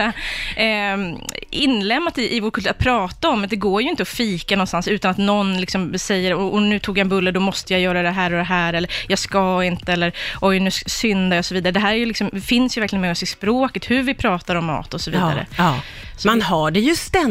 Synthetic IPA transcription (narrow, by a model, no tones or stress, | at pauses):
ɪnːlɛmːat̪ɪʔɪvoːɾkʰɵlːɾat̪̚pʰɾɑːt̪aɔmːd̪ɛɡoːɾjɵɪnt̪əɔfiːkanɔnst̪ansʉ̟ːt̪anat̪nɔnlɪksɔmsɛjːəɾɔɔnʉ̟ːt̪ʰuːɡjaɛnbɵlːəd̪ɔmɔst̪əjajœːɾad̪ɛɦæːɾɔd̪ɛɦæːɾɛlːəɾjɑskaɪnt̪əɛlːəɾʔɔjnʉ̟ːsʏnd̪ajaɔsɔviːd̪aɾəd̪ɛɦæːɾæɾjɵlɪksɔmfɪnsjʏvæɾklɪənmɛɔsɪspɾoːkət̪hʉɾvɪpʰɾɑːt̪aɾɔmːɑ̰ːt̪ɔsɔvḭːd̪a̰ɾə̰ | manɦaɖɛjɵst̪ɛ